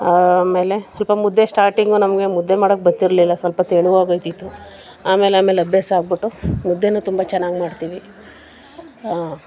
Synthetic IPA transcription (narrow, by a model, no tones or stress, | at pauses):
aːme̞ːle̞sʋɐlpɐmud̪ːesʈaːɾʈiŋɡunɐmɡe̞mud̪ːe̞maːɽok̚bɐt̪ːiɾlilːɐsʋɐlpɐt̪eɭuʋaːɡojt̪it̪ːu | aːme̞ːlaːmelɐbʱjasaːɡ̚biʈːumud̪ʱːenuːt̪umbat͡ʃɛnːaːɡmaːɖt̪iːʋi | a